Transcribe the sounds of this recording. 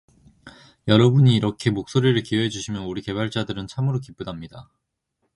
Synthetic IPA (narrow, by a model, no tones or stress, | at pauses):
jʌɾʌbuɲiːɾʌkʰe̞mok̚s͈oɾiɾɯɭkiweɦed͡ʑuɕʰimjʌnuɾike̞baɭt͡ɕ͈adɯɾɯnt͡ɕʰamɯɾokip͈udamɲida